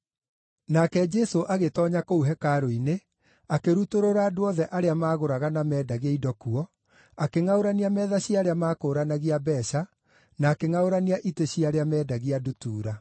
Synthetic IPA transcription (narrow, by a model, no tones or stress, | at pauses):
nakɛd͡ʒɛsoʔaɣetɔɲakouɦɛkaɾoine | akeɾutoɾoɾaːdoɔðɛʔaɾeamaːɣoɾaɣanamɛːdaɣeidɔkuɔ | akeŋaoɾaniamɛːðaɕiaɾeamaːkoːɾanaɣiabɛːɕa | naːkeŋaoɾaniaʔiteɕiaɾeamɛːdaɣiadutuːɾa